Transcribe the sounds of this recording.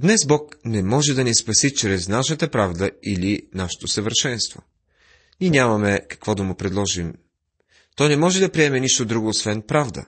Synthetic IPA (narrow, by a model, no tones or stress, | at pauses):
d̪nɛzbɔknɛmɔʒɛd̪ɐnɛspɐsit͡ʃɾɛznaʃət̪əpɾavd̪əilinaʃɛ̥t̪osəvəɾʃɛnst̪vo̰ | niɛnʲamɐmɛkɐ̥kvɔd̪ɐmʊpɾɛd̪lˠɔʒim | t̪ɔjnɛmɔʒɛd̪ɐpɾiɛmɛniʃt̪od̪ɾuɡoːsvɛnpɾavd̪ə̰